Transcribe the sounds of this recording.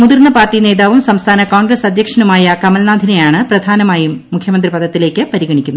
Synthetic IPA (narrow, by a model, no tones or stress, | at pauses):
muðirnːɐpaːrtːine̞ːðaːʋumsɐmst̪ʰaːnɐkoːŋɡrɐsɐd̪ʱjɐkʂɐnumaːjɐkɐmɐlnaːd̪ʱinɐjaːɳɨprɐd̪ʱaːnɐmaːjiːukʰjɐmɐnd̪ripɐðɐt̪ːile̞ːkʲːɨpɐɾiɣɐɳikʲːunːu